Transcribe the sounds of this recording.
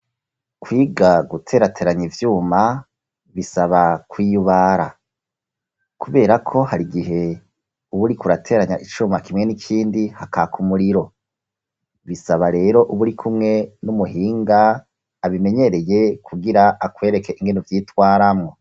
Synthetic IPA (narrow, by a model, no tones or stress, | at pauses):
kwiːɡaɡutʰe̞ːɾatʰe̞ːɾaɲivjuːma | βisaβakwiːjuβaːɾa̰ | kuβe̞ːɾakʰo̞haɾiɡiɦe̞ | uβuɾikuɾatʰe̞ːɾaɲaʔit͡ʃuːmakimŋe̞nikʰiːndihakakʰumuɾiɾo̞ | βisaβaɾe̞ːɾo̞ʔuβuɾikʰumŋe̞numuɦiːŋɡaː | βime̞ɲe̞ɾe̞je̞kʰuɡiɾaakwe̞ːɾe̞ke̞ʔiŋɡenovjiːtwaːɾamŋo̞